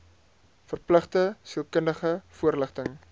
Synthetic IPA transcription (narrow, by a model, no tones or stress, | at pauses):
fərpləχtəsiəlˠkəndəχəfuərləχtəŋ